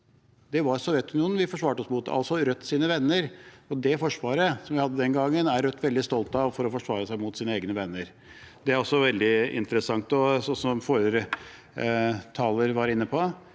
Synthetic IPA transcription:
d̪ɛʋɑɾsɔʋjɛt̪ʉnɪuːnʋɪfɔʂʋɑːʈəɔsmʊt̪ɑ̰lsɔɾœt̪ːsiːnəʋɛnːəɾɔd̪ɛfɔʂʋɑːɾəsɔmʋɪhɑd̪ːəd̪ɛnɡɑŋːənæɾɾœt̪ːʋɛld̪ɪst̪ɔlt̪ɑʋfɔɾɔfɔʂʋɑːɾəsæɪmʊt̪siːnəeːɡnəʋɛnːəɾ | d̪ɛæɾɔsːɔʋɛld̪ɪɪ̰nt̪əɾəsɑŋt̪ɔsɔsɔmfoːɾɾə | t̪ʰɑːləɾʋɑɾɪnːəpʰɔ

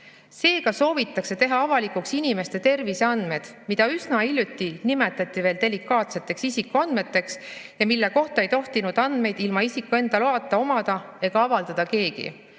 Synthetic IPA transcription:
se̞ːkɑso̞ːvit̪ːˑɑkse̞t̪e̞ɦɑɑvɑlikuksinime̞st̪e̞t̪e̞rvise̞ɑnd̪me̞d̪̥mid̪̥ɑysnɑilʲjut̪ʲːˑinime̞t̪ːˑɑt̪ʲːˑive̞ːld̪e̞likːˑɑːt̪se̞t̪ːˑe̞ksisikːˑuɑnd̪̚me̞t̪ːe̞ksjɑmilːe̞ko̞ht̪ɑe̞jt̪o̞ht̪inud̪̥ɑnd̪̥me̞jd̪ilmɑisikːˑue̞nd̪̥ɑloɑːt̪ˑːɑo̞mɑd̪̥ɑe̞ɡ̥ɑɑvɑld̪ɑd̪̥ɑke̞ːɡ̥ḭ

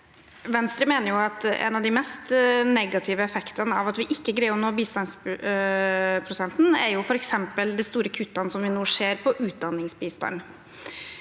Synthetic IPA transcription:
ʋɛnst̪ɾəmeːnəɾjʊɑt̪ɛ̰nɑʋd̪ɪmɛst̪nɛɡɑt̪ʰɪʋəɛfɛkt̪ɑnəɑʋɑt̪ʋɪʔɪkːəɡɾæɪɔmnoːbiːst̪ɑns | pʰɾʊsɛnsn̩æɾjʊfɔɾɛksɛmpəld̪ɛst̪uːɾəkʰʉt̪ːɑnəsɔmʋɪnuːʂeːɾpʰɔʔʉːt̪̚d̪ɑnːɪŋsbiːst̪ɑ̰n

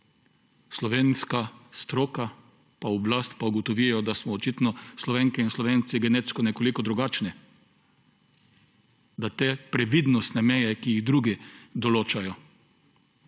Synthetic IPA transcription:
slɔʋeːnskast̪ɾoːka | paɔblast̪pauɡɔt̪ɔʋijɔd̪asmɔːt͡ʃit̪nɔslɔʋeːŋkɛinslɔʋeːnt̪siɡɛnet̪skɔnɛkolikɔd̪ɾuɡaːt͡ʃnɛ | d̪at̪eːpɾɛʋid̪nɔst̪nɛmɛjɛkijiɣd̪ɾuɡid̪ɔloːt͡ʃajɔ

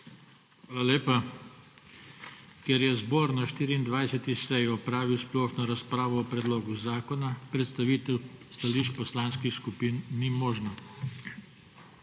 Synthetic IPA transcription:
xaːlaleːpa | kɛɾjɛzboːɾnaʃt̪iːɾiːnd̪ʋajsɛt̪isɛjɔpɾaːʋiwsplɔːxnɔɾaspɾaːʋɔɔpɾɛd̪loːɡuzaːkɔnapɾɛt̪st̪aʋit̪ɛwst̪aliʃt͡ʃpɔslaːnskixskupiːnːimɔːʒna

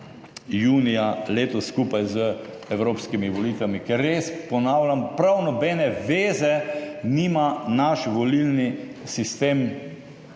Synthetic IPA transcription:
juːnijaleːt̪ɔsːkupajzə | ɛwɾoːpskimiʋɔliːt̪ʋamikɛɾːespɔnaːwlʲampɾawnɔbɛnɛʋeːzɛniːmanaʃʋɔlilnisist̪eːm

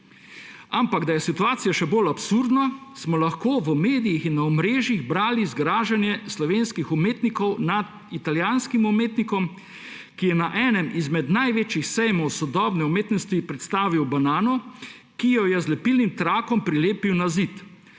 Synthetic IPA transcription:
ampaɡd̪ajɛsit̪uaːt̪sijaʃɛbolapsuɾd̪nasmɔlaxkoːʋəmeːd̪ijixinːaɔmɾeːʒjiɣbɾaːlizɡɾaːʒɛnjɛslɔʋeːnskixumeːt̪nikɔwnad̪ | it̪aljanskimumeːt̪nikɔm | kijɛnaʔɛːnɛmizmɛd̪najʋeːt͡ʃjixsɛjmɔwsɔd̪ɔːbnɛumeːt̪nɔst̪ʋipɾɛt̪st̪aːʋiwbanaːnɔ | kijɔjɛzlɛpilnimt̪ɾaːkɔmpɾileːpiwnazit̪

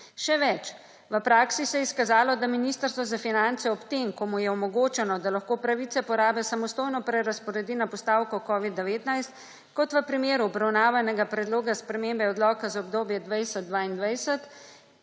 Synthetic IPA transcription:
ʃɛʋɛt͡ʃ | ʋəpɾaːksisɛjɛskazaːlɔd̪aminist̪əɾst̪ʋɔzafinant̪sɛɔpt̪emkɔmujɛɔmɔɡoːt͡ʃɛnɔd̪alaxkoːpɾaʋit̪sɛpɔɾaːbɛsamɔst̪oːjnɔpɾɛɾaspɔɾɛd̪iːnapɔst̪aːwkɔkɔːʋid̪ːɛʋeːt̪najst̪ | kɔt̪ʋəpɾimeːɾuɔbɾawnaːʋanɛɡapɾɛd̪loːɡaspɾɛmembɛɔd̪lɔːkazaɔbd̪oːbjɛd̪ʋajsɛd̪̚d̪ʋaːind̪ʋajsɛt̪

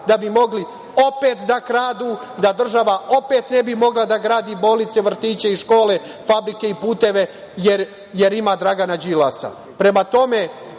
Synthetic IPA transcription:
d̪abimo̞ɡli | o̞pe̞ːt̪d̪akɾaːd̪uː | d̪ad̪r̩ʒaʋao̞pe̞t̪nebimo̞ɡlad̪aɡɾaːd̪ibo̞ːlnit̪se̞ʋr̩t̪iːt͡ɕeiʃko̞ːle̞ | fabɾike̞ipuːt̪e̞ʋe̞ | jeɾ | je̞ɾimaːd̪ɾaɡanad͡ʒila̰sa̰ | pɾe̞mat̪o̞me̞

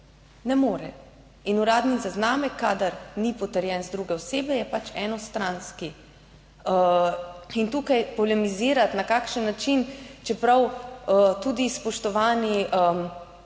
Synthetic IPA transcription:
nɛmoːɾɛ | inuɾaːd̪nizaznaːmɛkʰːaːd̪aɾnipɔt̪ɛɾjɛnzd̪ɾuɡɛɔseːbɛjɛpat͡ʃɛːnɔst̪ɾanski | ə | int̪uːkajpɔlɛmiziːɾat̪nakaːkʃənːat͡ʃint͡ʃɛpɾaw | t̪uːd̪ispɔʃt̪ɔʋaːniʔə

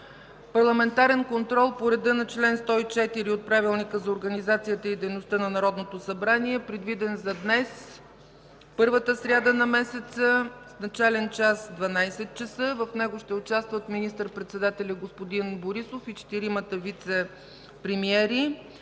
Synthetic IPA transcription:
pɐɾlˠɐmɛnt̪aɾɛnkont̪ɾɔlˠpoɾɛd̪ənɐt͡ʃlɛnst̪ɔit͡ʃɛt̪iɾiot̪̚pɾavilˠnikəzɐoɾɡənizat̪sijət̪əid̪ɛjnost̪ənɐnɐɾɔd̪not̪osɐbɾaniɛpɾɛd̪vid̪ɛnzɐd̪nɛs | pɤɾvət̪əsɾʲad̪ənɐmɛsɛt̪səsnɐt͡ʃalɛnt͡ʃasd̪vɐnajsɛt̪̚t͡ʃəsɤvəfnɛɡoʃt̪ɛʊt͡ʃast̪vət̪minist̪əɾpɾɛt̪sɛd̪at̪ɛlʲəɡospod̪inboɾisofit͡ʃɛ̥t̪iɾimət̪əvit̪sɛ | pɾɛmiɛɾi

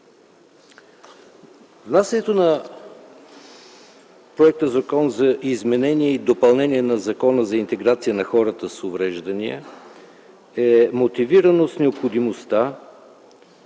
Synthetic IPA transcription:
vnasənɛt̪onɐ | pɾoɛk̚t̪əzɐkɔnzɐʔizmɛnɛnʲiɛid̪opɐlˠnɛniɛnɐzɐkɔnəzɐint̪ɛɡɾat̪sijənɐxɔɾət̪əsovɾɛʒd̪əniə̰ | ɛmot̪iviɾənosnɛopxod̪imost̪a

